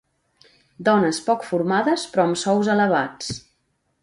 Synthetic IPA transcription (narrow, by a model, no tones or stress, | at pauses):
d̪ɔnəspɔkfuɾmaðəspɾɔəmsɔwzələβ̞at͡s